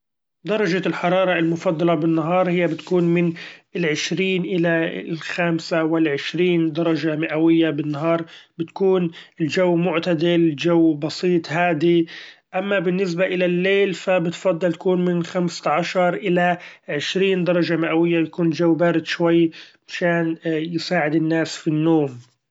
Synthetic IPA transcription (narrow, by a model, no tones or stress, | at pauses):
d̪ɑɾˤɑʒalħɑɾˤɑːɾˤɑɪlmʊfɑd̪ˤːɑlɑbɪnːaɦɑːɾˤhɪjːabɪt̪kuːnmɪnɪlʕɪʃɾiːnʔɪlalxaːmsawɪlʕɪʃɾiːnd̪ɑɾˤɑʒamɪʔawɪjːabɪnːaɦɑːɾˤbɪt̪kuːnɪlʒawːmʊʕt̪ad̪ɪlʒawːbɑsiːt̪ˤhaːd̪iʔamːabɪnːɪs̬baʔɪlalːeːlfabɪt̪fɑd̪ˤːɑlt̪ḁkuːnmɪnxamsʕaʃɑɾˤʔɪlaʕɪʃɾiːnd̪ɑɾˤɑʒamɪʔawɪjːaɪjakuːnld͡ʒawːbaːɾɪd̪ʃwajːmaʃaːnjɪsaːʕɪd̪ɪnːaːsfinːoːm